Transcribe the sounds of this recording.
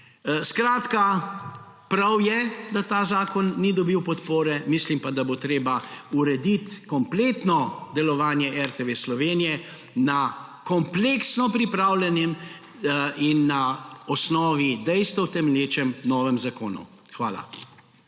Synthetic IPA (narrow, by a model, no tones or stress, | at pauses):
skɾaːt̪ka | pɾawjɛd̪at̪aːzaːkɔnːid̪ɔbiwpɔt̪poːɾɛmislimpad̪abot̪ɾeːbauɾɛd̪it̪kɔmpleːt̪nɔd̪ɛlɔʋaːnjɛʔɛɾt̪eʋeslɔʋeːnijɛ | nakɔmpleksnɔpɾipɾaːwlɛnjɛm | inːaɔsnɔːʋid̪ɛjst̪ʋɔwt̪ɛmɛljeːt͡ʃɛmnɔːʋɛmzakoːnṵ | xʋa̰ːla̰